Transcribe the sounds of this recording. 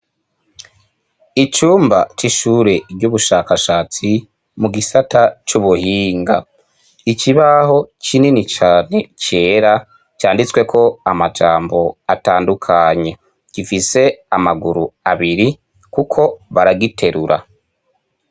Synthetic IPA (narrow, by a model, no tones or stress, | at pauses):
it͡ʃuːmbat͡ʃiʃuːɾe̞ɟuβuʃaːkaʃaːt͡si | muɡisatat͡ʃuβuhiːŋɡa | iciβaho̞cininit͡ʃaːne̞ce̞ːɾa | caːndit͡swe̞kʰo̞amad͡ʒaːmbo̞ataːndukʰaɲe̞ | ɡ̥ifise̞amaɡuɾuaβiɾi | kukʰo̞βaɾaɡitʰe̞ɾuɾʔa̰